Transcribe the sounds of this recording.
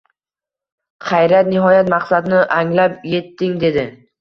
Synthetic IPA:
qʰɑjɾat̪̚nɪɦɒjat̪maqsad̪nɪʔaŋlapje̞t̪ːɪŋd̪e̞d̪ɪ

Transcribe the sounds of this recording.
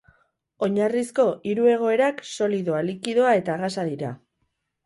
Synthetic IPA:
o̞ɲarisko̞ʔiɾue̞ɣ̞o̞e̞ɾakso̞liðo̞alikiðoae̞t̪aɣasaðiɾa̰

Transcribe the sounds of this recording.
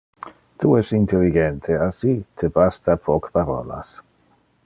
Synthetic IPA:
t̪ʰuɛsint̪eliɡɛnt̪ʰeasit̪ʰebast̪apʰɔkpaɾɔ̰ːla̰s

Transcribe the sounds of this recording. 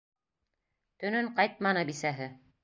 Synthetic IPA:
t̪ɵ̆nɵɴqɑjt̪̚mɑnɤbisæɦɘ

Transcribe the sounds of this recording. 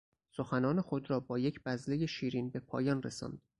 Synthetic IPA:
so̞xænɒːnexod̪ɾɒːbɒːje̞cʰb̥æzle̞je̞ʃiːɾiːnbe̞pʰɒ̰ːjɒːnresɒ̰ːnd̪̥

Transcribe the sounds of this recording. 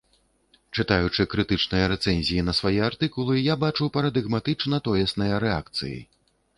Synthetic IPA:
t͡ʂɨt̪ajut͡ʂɨkɾɨt̪ɨt͡ʂnɨjɐɾɛt̪sɛnʲzʲijinɐsvajɛart̪ɨkulˠɨjabat͡ʂupɐɾɐd̪ɨɣmat̪ɨt͡ʂnɐt̪ɔjɛsnɐjɐɾɛakt̪sɨ̰jḭ

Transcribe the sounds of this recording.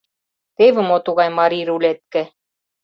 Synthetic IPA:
t̪eβɘ̆mot̪uɣɑjmɑɾiɾulʲet̪̚kɘ̆

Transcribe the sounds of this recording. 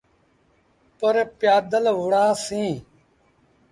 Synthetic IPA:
pəɾpjaːd̪əlʋʊɽãːsĩː

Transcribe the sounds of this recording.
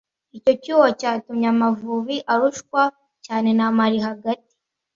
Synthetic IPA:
ico̞cuːwacaːtumɲamavuβiʔaɾuʃkwa | caːne̞namaɾiɦaɡati̥

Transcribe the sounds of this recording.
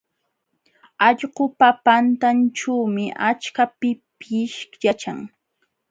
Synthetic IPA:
ɑʎɢʊpapant̪ant͡ʃawmɪʔat͡ʃkapɪpɪʃkjat͡ʃa̰ŋ

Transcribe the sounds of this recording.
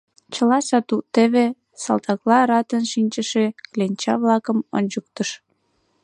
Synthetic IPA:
t͡ɕəlɑsɑt̪ut̪eβe | sɑ̰lt̪ɑklɑɾɑt̪ənʃinʲt͡ɕəʃeklenʲt͡ɕɑβlɑkəmo̰nʲt͡ɕək̚t̪əʃ

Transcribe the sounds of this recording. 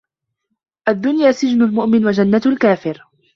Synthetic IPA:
ʔad̪ːʊnjaːsɪd͡ʒnʊlmʊʔmɪnwad͡ʒanːat̪lkaːfɪɾ

